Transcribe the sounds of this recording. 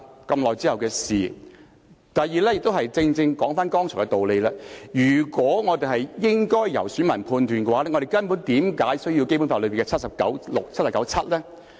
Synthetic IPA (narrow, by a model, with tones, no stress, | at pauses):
kɐ˧mlɔː˨jt͡siː˥hɐ˨wkɛː˧siː˨˩ | t̪ɐ˨˩jːiː˨˩lɛː˥jɪ˨k̚t̪o˥hɐ˨jt͡sɪ˧ŋt͡sɪ˧ŋkɔː˨˥ŋfaː˥nkɔː˥ŋʰɔː˨˩ŋkɛ˧t̪o˨wle˨˧jlɛː˥jyː˨˩kwɔː˨˥ŋɔː˨˧t̪e˨˩ɦɐ˨jjɪ˥ŋkɔː˥jːɐ̰˨˩wsyː˨˥mɐ˨˩npʰuː˧nt̪yː˨nkɛ˧waː˨˦lɛː˥ŋɔ˨˧e˨jkɐ˥npu˨˥nt̪iː˨˧˥mkaː˨˥jsɵ˥ɥji˧wke˥jpu˨˥faː˧lɵ˨˧bi˨˩kɛ˧t͡sʰɐ˥t̚sɐ˨p̚kɐ̰˨˥wlʊ˨k̚t͡sʰt̚sɐ˨pkɐ˨˧˥wt͡sʰɐ˥t̚lɛː˥